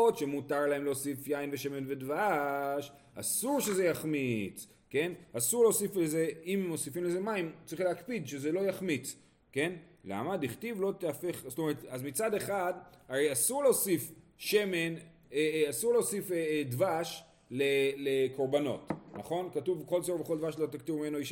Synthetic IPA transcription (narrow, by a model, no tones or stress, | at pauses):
otʃemutaʁlaemleosifjainveʃe̞me̞nve̞dvaʃ | a̰suʁʃe̞ze̞jaχmit͡s | ke̞nasuʁleosifezeimmosifimleze̞maimtt͡saʁiχleakpidʃe̞zelo̞jaχmit͡s | ke̞nla̰madiχt̪ivlo̞t̪eafe̞χzt̪o̞me̞ʁetazmit͡sade̞χadaʁejasuʁleoːsif | ʃe̞men | easuʁleosifedvaʃ | leleko̞ʁbano̞̰tnaχo̞nkatuvko̞lsoʁveχo̞ld̪vaʃlo̞t̪aktivimenoiʃ